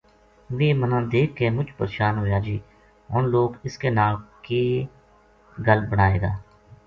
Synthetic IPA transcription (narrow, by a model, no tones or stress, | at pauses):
ʋeːmənãːd̪eːkʰːeːmʊd͡ʒpəɾeːʃaːnɦoːjaːd͡ʒiː | ɔːnloːɡɪskenaːlke | ɡəlbəɽaːeːɡa̰ː